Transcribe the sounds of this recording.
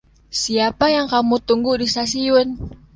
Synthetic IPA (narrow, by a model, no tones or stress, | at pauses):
siapajaŋkamut̪uŋɡudisasiʊn